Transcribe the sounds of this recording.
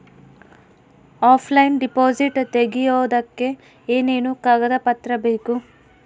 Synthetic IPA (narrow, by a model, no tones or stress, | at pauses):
aːpʰlɐjinɖipoːd͡ʒiʈt̪eɡijoːd̪ɐkːe̞ | eːne̞ːnukaːɡɐd̪ɐpɐt̪ɾɐbeːku